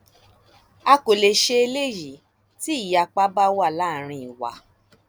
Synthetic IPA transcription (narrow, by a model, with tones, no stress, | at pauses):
a˧ko˨le˨ʃe˧e˧le˦˨ji˨ | ti˦i˦˨ja˧˨k͡pa˦ba˦wa˦˨la˨˦˨ɾ̃ĩ˧i˨wa̰˨˦